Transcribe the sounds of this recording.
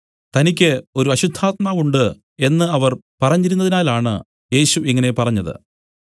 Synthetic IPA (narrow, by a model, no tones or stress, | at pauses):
t̪ɐnikʲːɨo̞ɾuɐɕud̪ʱːaːt̪̚maːʋuɳɖɨ | e̞nːɨɐʋɐrpɐrɐɲːiɾunːɐðinaːlaːɳɨ | je̞ːɕuʔiŋːɐne̞pɐrɐɲːɐðɨ̰